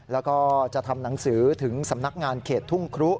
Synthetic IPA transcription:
lɛː˦˥wkɔː˥˩t͡ɕa˨˩t̪ʰa˧mna˩˦ŋsɯː˩˦t̪ʰɯ˩˦ŋsa˩˦mna˦˥k̚ŋaː˧nkʰeː˨˩t̪ʰːu˥˩ŋkʰɾu˦˥ʔ

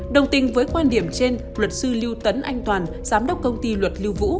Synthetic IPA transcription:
ɗə˨˩wŋ͡mt̪ï˨˩ŋ̟vəː˨˦jkwaː˧nɗi˧˩əmt͡ɕe˧n | lwə˨˩t̚sɨ˧li˧wt̪ə˨˦nʔa˧jŋ̟t̪waː˨˩n | z̥aː˨˦mɗə˨˦˥wk͡p̚kə˧wŋ͡mt̪i˧lwə˨˩t̚li˧wvṵ˧˥

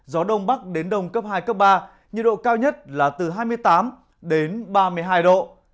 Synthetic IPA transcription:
zɔ˨˦ɗə˧wŋ͡mɓa˦˥k̚ɗe˨˦nɗə˧wŋ͡mkə˦˥p̚ɦaː˧jkəː˦˥p̚ɓaː˧ | ɲɨ̰˧˨ɗo̰˧˨kaː˧wɲə˦˥t̚laː˨˩t̪ɨ˨˩ɦaː˧jm˧əjt̪aː˨˦m | ɗe˨˦nɓaː˧mɨ˧əjɦaː˧jɗo̰˧˨

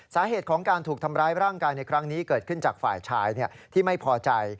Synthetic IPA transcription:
saː˩˦ɦeː˨˩t̪̚kʰɔː˩˦ŋkaː˧nt̪ʰuː˨˩k̚t̪ʰa˧mɾaː˦˥jɾaː˥˩ŋkaː˧jna˧jkʰɾa˦˥ŋniː˦˥kɤː˨˩t̪̚kʰɯ˥˩nt͡ɕa̰ː˨˩k̚fa̰ː˨˩jt͡ɕʰaː˦˥jni˥˩ɐt̪ʰiː˥˩ma˥˩jpʰɔː˧t͡ɕa˧j

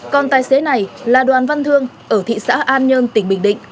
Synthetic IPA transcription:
kɔ˨˩nt̪aː˨˩jse˨˦na˨˩jlaː˨˩ɗwaː˨˩nva˧nt̪ʰɨ˧əŋ | ʔəː˧˩t̪ʰḭ˧˨sa̰ː˧˥ʔaː˧nɲəː˧nt̪ï˧˩ŋ̟ɓï˧˩ŋ̟ɗḭ̈˧˨ŋ̟

